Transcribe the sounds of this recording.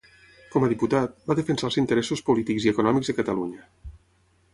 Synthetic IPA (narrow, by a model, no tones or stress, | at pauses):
kɔməðiput̪at̪̚baðəfənsalˠzint̪əɾɛsuspulit̪ikziəkunɔmiɡzðəkət̪əluɲə